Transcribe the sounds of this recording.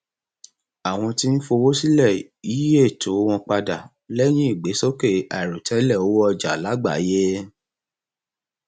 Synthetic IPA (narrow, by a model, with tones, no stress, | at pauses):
a˨w̃ɔ̃˧ti˦n̩˦fo˧wo˦si˦lɛ˦˨ | i˨˦je˦˨tʰo˨˦w̃ɔ̃˧k͡pa˧da˨ | lɛ˦j̃ĩ˦i˦˨ɡ͡be˨˦sɔ˦ke˦˨a˨ɾu˨tʰɛ˨˦lɛ˦˨o˨˦ɔ˧d͡ʒa̰˨la˨˦ɡ͡ba̰˨˦je˦